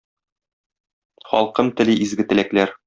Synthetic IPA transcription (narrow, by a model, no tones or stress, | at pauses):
χɒ̰lˠqɤmt̪ɘ̆lɘʔizɡɘ̆t̪ɘ̆læklæɾ